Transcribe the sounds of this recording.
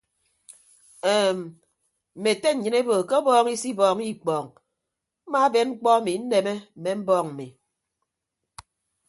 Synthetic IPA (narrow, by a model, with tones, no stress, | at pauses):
eː˨m˨ | m̩˨me˨te˦ɲ̩˨ɲɨ˨ne˦bo˨ke˦o˦bɔː˦ŋi˦si˦bɔː˨ŋi˦˨k͡pɔː˨ŋ | m̩˦ma˦be˨˦nŋ͡m̩˦k͡pɔ˦a˦mi˨˦n̩˦ne˨me˦m̩˨me˨m̩˦bɔː˦ŋm̩˨mi˨